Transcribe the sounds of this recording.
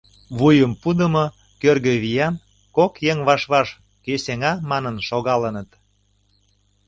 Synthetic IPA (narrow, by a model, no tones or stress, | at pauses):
βujəmpud̪əmo | kørɣø̆βijɑn | kokjeŋβɑʃβɑʃ | keseŋɑmɑnənʃoɣɑlənət̪